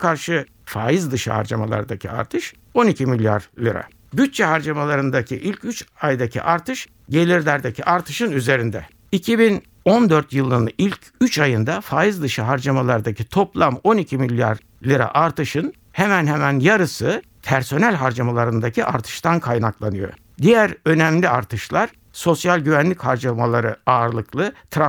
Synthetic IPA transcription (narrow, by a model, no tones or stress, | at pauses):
kʰaɾʃɯ | faːjizd̪ɯʃɯ̰ha̰ɾd͡ʒa̰ma̰lˠa̰ɾd̪acʰia̰ɾt̪ʰɯʃ | o̞nicʰimilʲja̰ɾlʲiɾa̰ | byt̪̚t͡ʃɛɦaɾd͡ʒamalˠaɾɯnd̪acʰiʔilʲcʰyt͡ʃajd̪acʰḭʔaɾt̪ʰɯʃ | ɟe̞lʲiɾlʲæɾd̪ecʰiʔaɾt̪ʰɯʃɯnyze̞ɾind̪ɛ̰ | icʰibin | o̞nd̪øɾt̪jɯlˠɯnilʲcʰ | yt͡ʃʰajɯnd̪afaːjɯzd̪ɯʃɯɦaɾd͡ʒamalˠaɾd̪acʰit̪ʰo̞plˠamo̞nicʰimilʲːja̰ɾ | lʲiɾɛ̰ʔaɾt̪ɯʃɯn | hemænɦemænjaɾɯsɯ | pʰæɾso̞nælʲɦaɾd͡ʒamalˠaɾɯnd̪acʰiʔaɾt̪ʰɯ̥ʃt̪ankʰajnaklˠanɯjo̞̰ | d̪ijæɾø̞nɛæmlʲiaɾt̪ʰɯʃlˠaɾ̥ | so̞sjalʲɟyvænlʲichaɾd͡ʒamalˠaɾɯaːɾlˠɯklˠɯt̪ʰɾa